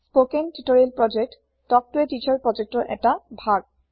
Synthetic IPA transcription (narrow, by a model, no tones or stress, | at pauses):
spokentitoɹielpɹɔd͡ʒek̚t | tɔk̚tuetit͡ʃʰɔɹpɹɔd͡ʒek̚tɹɔʔɛ̰tabʱaɡ̚